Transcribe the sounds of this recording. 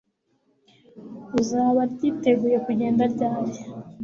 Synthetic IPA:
uzaːβaɾɟiːte̞ɡuje̞kuɟeːndaɾɟaːje

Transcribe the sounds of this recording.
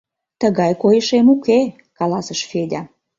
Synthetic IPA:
t̪əɣɑjkojəʃemuke | kɑlɑsəʃfed̪ʲæ

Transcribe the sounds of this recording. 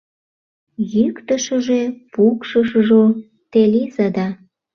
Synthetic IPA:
jykt̪əʃəʒepukʃəʃʒo | t̪elizəd̪ɑ

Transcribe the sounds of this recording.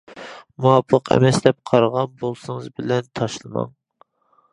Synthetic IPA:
muɑpʰːəqʰɛ̰mɛsd̪ɛp̚qʰɑɾʁɑnbolˠsɨŋɨzbɪlɛnt̪ʰɑʃlˠɨmɑ̰ŋ

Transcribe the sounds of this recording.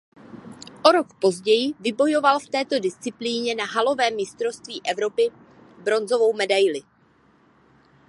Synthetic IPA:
ʔo̞ɾo̞kpo̞zɟɛjɪvɪbo̞jo̞valft̪ɛːt̪o̞dɪst͡sɪpliːɲɛnaɦalo̞vɛːmːɪst̪ɾost̪viːʔɛvɾo̞pɪ | bɾo̞nzo̞vo̞wmɛdajlɪ

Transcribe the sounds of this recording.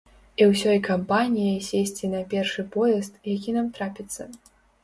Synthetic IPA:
iwsʲɔjkampanʲijɐjsʲesʲt͡sʲinɐpʲɛrʂɨpɔjɛst̪jakʲinamt̪ɾapʲit̪sːɐ

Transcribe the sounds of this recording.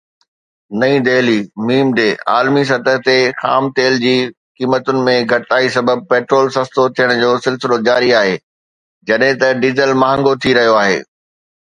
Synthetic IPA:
nɐĩd̪eːlimiːmɖeːa̰ːlmis̬ɐt̪əɦt̪exa̰ːmt̪eːld͡ʑiː | kiːmət̪ʊnɪ̆mẽɡʱɐʈaːisɐbəb̚peːʈɾoːlsɐ̃st̪ot̪ʰijəɽ̃d͡ʑoːsɪlsɪlod͡ʑaːɾiaːɦeː | d͡ʑɐɗɦɪ̃t̪ɐɖiːzəlmɐɦə̃ŋɡot̪ʰiɾɐɦijoaːɦḛː

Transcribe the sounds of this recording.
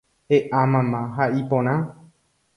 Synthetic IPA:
heʔamãmãɦaʔipõɾ̃ã

